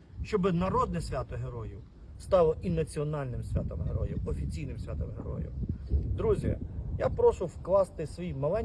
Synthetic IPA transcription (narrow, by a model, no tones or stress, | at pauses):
ʃt͡ʃɔbɪnɐɾɔd̪̚nɛsʲʋʲat̪ɔɦeɾɔjʊ | st̪ɑlˠɔʔinɐt͡sʲiɔnɑlʲnɪmsʲʋʲa̰t̪ɔmɦḛɾɔ̰jʊɔfʲit͡sʲijnɪmsʲʋʲat̪ɔmɦḛɾɔ̰jʊ̰d̪ɾuzʲjɐ̰japɾɔʃʊwklˠɑst̪ɪsʋʲijmɐlˠɛnʲ